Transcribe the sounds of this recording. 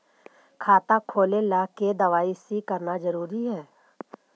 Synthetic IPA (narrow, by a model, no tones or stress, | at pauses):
kʰaːt̪akʰoːlelaːked̪əʋaːisikəɾnazəɾuːɾiɦɛː